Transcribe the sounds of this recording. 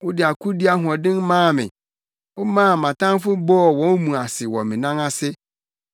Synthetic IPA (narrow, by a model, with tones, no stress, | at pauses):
wʊ˦dɪ˨a˨kʰu˦di˦a˦ɦʊ˨ɔ̃˨dɪ̃˦n˦mãː˦˨mɪ̰̃˨ | ʊ˦mãː˦˨mã˨tʰã˦fʊ˦bɔ˦ɔ˨wɔ̃˦n˦mũ˨a˨sɪ˨wɔ˨mɪ̃˨nã˦ŋa˦sɪ˦